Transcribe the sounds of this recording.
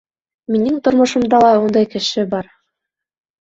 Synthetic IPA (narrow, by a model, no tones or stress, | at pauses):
minɘŋt̪ŏɾmŏʃŏmd̪ɑlˠɑund̪ɑjkɘ̆ʃɘbɑɾ